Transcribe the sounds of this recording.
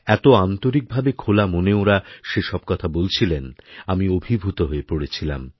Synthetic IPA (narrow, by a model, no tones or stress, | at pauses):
ɛt̪oant̪oɾik̚bʱabekʰolamoneoɾaʃeʃɔb̚kɔt̪ʰabolt͡ɕʰilenamiobʱibʱut̪oɦoepoɽet͡ɕʰila̰m